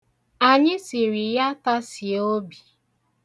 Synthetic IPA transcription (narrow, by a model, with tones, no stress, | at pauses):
a˨ɲɪ˦si˨ɾi˨ja˦ta˦si˨o˦bi˨